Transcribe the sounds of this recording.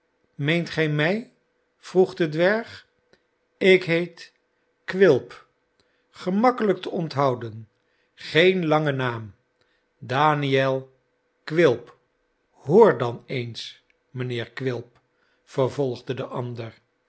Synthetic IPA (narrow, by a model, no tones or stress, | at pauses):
mejntχɛjmɛj | v̥ruχdədʋɛɹχ | ɪkɦejt | kʋɪlˠp | χəmɑkələk̚təɔntɦɑwdən | χejnlɑŋənaːm | daːniɛlˠ | kʋɪlˠp | hʊːɹdɑnejns | mənɪːɹkʋɪlˠp | fəɹvɔlˠχdədəʔɑndər